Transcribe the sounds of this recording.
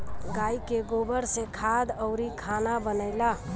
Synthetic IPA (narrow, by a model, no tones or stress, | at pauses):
ɡaikeɡobəɾsẽkʰad̪əʊɾikʰanabənəɪla